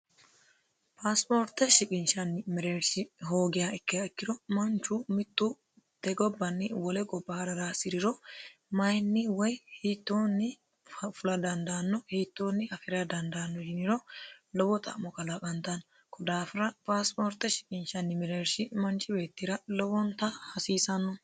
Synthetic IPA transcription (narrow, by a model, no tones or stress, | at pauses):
pʰaːspoːɾt̪ɛʃɪkʼɪnʃɐnːɪmɛɾeːɾsɪɦo̞ːɡɪjaɛkːɪaɪkːɪɾɔmɐnt͡ʃuːmɪt̪ːuː | t̪ɛɡɔbːɐnːɪwɔlɛɡʼɔbːaːɾɐɾasɪɾɪɾɔmɐjnːɪwɐjhiːt̪ːoːnːɪ | fʊlɐd̪ɐnd̪ɐːnːɔhiːt̪ːo̞ːnːɪɐfɪɾɐd̪ɐnd̪anːɔd͡ʒɪnɪɾɔlɔwɔt̪ɐ̰ʔmɔkɐlɐkʼɐnt̪ɐn | kʰɔd̪aːfɪɾɐpaːspoːɾt̪ɛʃɪ̥kʼɪnʃɐnːɪmɛɾeːɾsɪmɐnt͡ʃɪbe̞ːt̪ːiɾɐlɔwɔnt̪ɐhɐsiːsɐnːɔ